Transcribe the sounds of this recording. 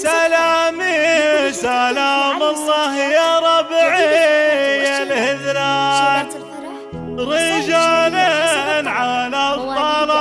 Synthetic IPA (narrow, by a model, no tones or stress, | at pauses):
salaːmisalaːmɑlˤːɑːɦjaɾˤɑbʕi | janhɪðɾaːn | ɾid͡ʒaːlinʕalat̪ˤːɑl